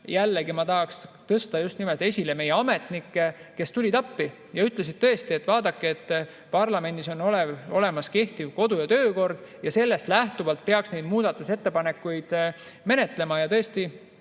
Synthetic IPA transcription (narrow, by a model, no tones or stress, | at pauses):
jælːeɡimɑt̪ɑɦɑkst̪ɤst̪ɑjust̪nimelt̪e̞sʲileme̞jːeɑme̞t̪nikːeke̞st̪ulʲit̪ɑpːi | jɑyt̪le̞s̬id̪̚t̪ɤe̞st̪ie̞t̪ːˑvɑːd̪ɑkːeet̪ː | pɑrlɑme̞nd̪iso̞noleo̞le̞mɑske̞ht̪ivko̞d̪ujɑt̪ø̞ːko̞rd̪̥jɑse̞lːe̞st̪læht̪uvɑlt̪̚pe̞ɑksne̞jd̪muːd̪̥ɑt̪ːˑuse̞t̪ːe̞pɑne̞kːˑujd̪̥ | me̞ne̞t̪ˑle̞mɑjɑt̪ɤe̞st̪i